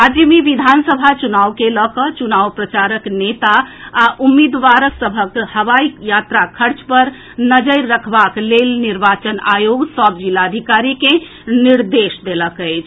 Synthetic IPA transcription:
ad͡ʒimeʋid̪ʱansəbʱat͡ʃunaʋkeləkət͡ʃunawpɾət͡ʃaɾəknet̪aːʔumːid̪ʋaɾəksəbʱəkhəʋaijat̪ɾakʰəɾt͡ʃpəɾ | nəd͡ʒəɪːəkʰbaklelniɾbat͡ʃənajoɡsɔbd͡ʒilad̪ʱikaɾike | niɾd̪esd̪eləkəɪt͡ʃʰ

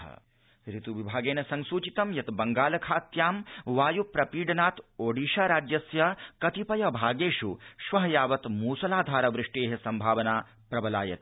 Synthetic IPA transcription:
ɐ̰ | ɾit̪uʋibʱaːɡeːnɐsɐŋsuːt͡ʃit̪ɐmjɐt̪bɐŋɡaːlɐkʰaːt̪jaːmʋaːjupɾɐpiːɖɐnaːt̪oːɖiːʃaɾaːd͡ʒjɐsjɐkɐt̪ipɐjɐbʱaːɡeːʃuʃʋɐɦɐjaːʋɐt̪muːsɐlaːd̪ʱaːɾɐʋɾɪʂʈeːɦɐsɐmbʱaːʋɐnaː | pɾɐbɐlaːjɐ̰t̪

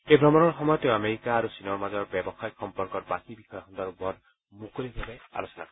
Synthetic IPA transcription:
ebʱɾɔmɔnɔɹxɔmɔjɔt̪eameɾikaːɾusinɔɹmazɔɹbjɛbɔxajkxɔmpɔɾkɔɾbakibixɔjɔkɔnd̪ɔɾbʱɔn | mukolibʱabea̰losɔnakɔ

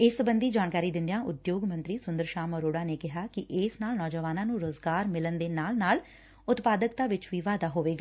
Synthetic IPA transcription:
ɪsbənd̪iːd͡ʒaːnkaːɾiːd̪ɪnd̪ɪjãːʔʊd̪joːɡmə̃nt̪ɾiːsʊnd̪əɾʃaːməɾoːɽaːneːkɪɦaːkɪʔɪsnaːlnɔːd͡ʒəʋaːnãːnũːɾoːzɡaːɾmɪlənd̪eːnaːlnaːl | ʊt̪paːd̪əkt̪aːʋɪt͡ʃʋiːʋaːd̪aːɦoːʋeːɡaː

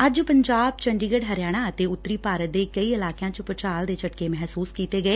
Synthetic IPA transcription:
əd͡ʒpəɲd͡ʒaːb̚t͡ʃəɳɖiːɡəɖɦəɾjaːɽ̃ãːət̪eːʊt̪ːɾiːpaːɾət̪̚d̪eːkəiːɪlaːkejãːt͡ʃpɾət͡ʃaːld̪eːt͡ʃəʈkeːmɛɦsuːskiːt̪eːɡəeː

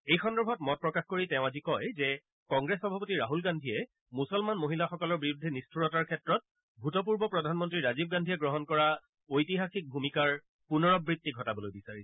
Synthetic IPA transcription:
ejxɔndɛɹbʱɔtmɔt̚pɹɔkaxkoɹitɛ̃ʊ̃azikɔjzɛ | kɔŋɡɹesɔbʱapɔtiɹaɦulɡandʱiɛ | musɔlmanmoɦilaxɔkɔlɔɹbiɹudʱinistʰuɹɔtaɹkʰɛtɹɔt̚ | bʱutɔp̬uɹbɔpɹɔdʱanmɔntɹiɹazib̚ɡandʱiɛɡɹɔɦɔnkɔɹa | ojtiɦaxik̚bʱumikaɹ | punɔɹɔbɹitːiɡʱɔtabɔlojbisaɹiɛ

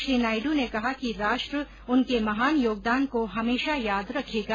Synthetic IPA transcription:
ʃɾiːnaːɪɖunekɐɦakiɾaːʃʈɾə | ʊnkemɐɦaːnjoːɡ̚d̪aːnkoɦɐmeːʃajaːd̪ɾɐkʰeːɡa

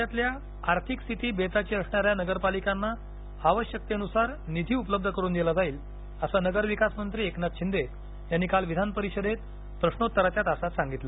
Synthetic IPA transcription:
jat̪lja | aɾt̪ʰikst̪ʰit̪iːbet̪at͡ɕiːəsɳ̃aɾjanəɡəɾpalikanːa | aʋəɕjək̚t̪eənusaɾnid̪ʱiːupləb̚d̪ʱəkəɾuːnd̪elad͡zaiːl | əsanəɡəɾʋikasmənt̪ɾiːeknat̪ɕind̪e | janːikalʋid̪ʱanpəɾiɕəd̪et̪ | pɾəɕɳot̪ːəɾat͡ɕ̪jat̪asat̪sãŋɡit̪lə

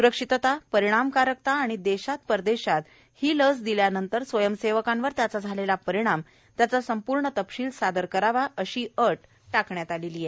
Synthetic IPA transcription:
suɾəkʂit̪ət̪apəɾiɽ̃amkaɾək̚t̪aːɽ̃id̪eɕat̪̚pəɾd̪eɕat̪ | hiːləsd̪iljanənt̪əɾsʋəjəmseʋəkãnʋəɾt̪jat͡sad͡zʱalelapəɾiɽ̃am | t̪jat͡sasəmpuɾɳət̪əpɕiːlsad̪əɾkəɾaʋaʔəɕiːəʈ | ʈakɳjat̪alelijɛ

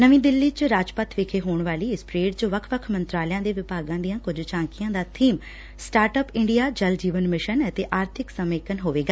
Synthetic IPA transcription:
nəʋĩːd̪ɪlːiːt͡ʃɾaːd͡ʒpət̪ʰʋeːkʰeːɦoːɳʋaːliːɪspɾeːɖt͡ʃoʋəkʰʋəkʰmənt̪ɾaːlɪjãːd̪eːʋɪpaːɡãːd̪ijãːkʊd͡ʒt͡ʃãːŋkɪjãːd̪aːt̪ʰiːm | sʈaːɾʈəpɪ̃ɳɖijaːd͡ʒəld͡ʒiːʋənmɪʃənət̪eːʔaːɾt̪ʰɪksəmeːkənɦoːʋeːɡaː

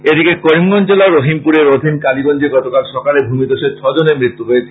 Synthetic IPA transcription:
ed̪ikekoɾimɡɔnd͡ʑelaɾoɦimpuɾeɾod̪ʱinkalibɔnd͡ʑeɡɔt̪okalʃɔkalebʱumit̪oʃet͡ɕʰɔd͡ʑonemɾit̪ːuɦojet͡ɕʰe̥

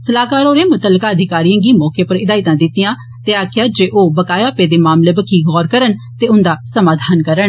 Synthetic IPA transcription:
səlaːkaːɾoːɾẽːmʊt̪əlːəkaːəd̪ʱɪkaːɾijãːɡiːmɔːkeːpəɾɪd̪aːɪt̪ãːd̪ɪt̪ɪjãː | t̪eːaːkʰjaːd͡ʒeːʔoːbəkaːjaːpeːd̪eːmaːmleːbəkʰiːɡɔːɾkəɾənt̪eːʊnd̪aːsəmaːd̪ʱaːnkəɾəɳ

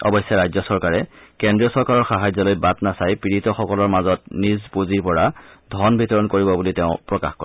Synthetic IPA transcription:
ɔ̰bɔjsjaɹajzɔsɔɹkaɹɛkɛndɹiɔsɔɹkaɹɔɹxaɦajzɔlojbatnasajpɹiɹitɔxɔkɔlɔɹmazɔtnizpuziɹpɔɹadʱɔnbʱitɔɹɔnkoɹibɔbuliteʊ̃pɹɔka̰xkɔ̰ɹ

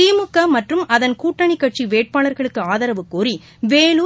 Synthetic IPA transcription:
iːmɯkːɐmɐʈrɯmɐðɐnkuːʈːɐɳikːɐʈ̚t͡ʃiʋeːʈ̚paːɭɐɾɣɐɭɯkːɯaːðɐɾɐʋɯkːuːɾi | ʋeːɭu

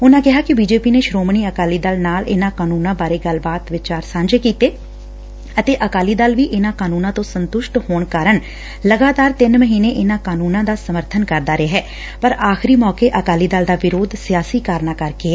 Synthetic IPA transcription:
ʊnãːkɪɦaːkɪbiːd͡ʒeːpiːneːʃɾoːmɳiːəkaːliːd̪aːlnaːlɪ̰nãːkaːnuːnãːbaːɾeːɡəlbaːt̪ʋɪt͡ʃaːɾsãːɲd͡ʒeːkiːt̪eː | ət̪eːʔəkaːliːd̪aːlʋiːʔɪnãːkaːnuːnãːt̪õːsənt̪ʊʃʈhoːɳkaːɾəɳ | ləɡaːt̪aːɾt̪ɪnməɦiːneːʔɪnãːkaːnuːnãːd̪aːsəməɾt̪ʰənkəɾd̪aːɾeɦɛː | pəɾaːxɪɾiːmɔːkeːʔəkaːliːd̪aːld̪aːʋɪɾoːd̪sɪjaːsiːkaːɾnaːkəɾkeː

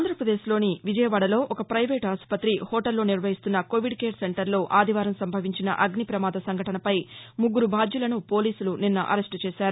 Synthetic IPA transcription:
aːd̪ɾɐpɾɐd̪e̞ːʃlo̞ːniʋid͡ʒɐjɐʋaːɽɐlo̞ːʔɔkɐpɾɐjʋeːʈaːspɐt̪ːɾihoːʈɐlːo̞ːniɾʋɐɦist̪unːɐkoʋiɖkeːɾse̞ɳʈɐɾlo̞ːʔaːd̪ʱiʋaːɾɐmsɐmbʱɐʋiɲt͡ʃinɐ̰ʔɐɡnipɾɐmaːd̪ɐsɐŋɡʱɐʈɐnɐpɐjmuɡːuɾubʱaːd͡ʒ̪julɐnupo̞ːliːsuluninːɐʔɐ̰ɾesʈt͡ʃeɛːʃaːɾu

